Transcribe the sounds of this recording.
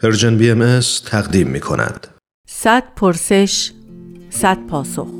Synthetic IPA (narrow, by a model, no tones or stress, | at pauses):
heɾd͡ʒenbiemest̪ʰæɣd̪iːmːiːkʰo̞̰nʔæ̰nd̪̥ | sæt̪̚pʰoɾseʃ | sæd̪̥̚pʰɒːso̰x